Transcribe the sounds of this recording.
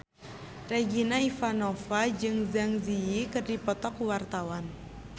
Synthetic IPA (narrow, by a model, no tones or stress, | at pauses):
reɡinaifanofad͡ʒɨŋzaŋziikɨrdipɔt̪ɔkuwart̪awan